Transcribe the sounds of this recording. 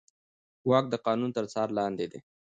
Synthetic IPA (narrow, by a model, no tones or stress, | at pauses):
wɑk̚d̪əqɑnunt̪əɾt͡sɑɾlɑnd̪ed̪e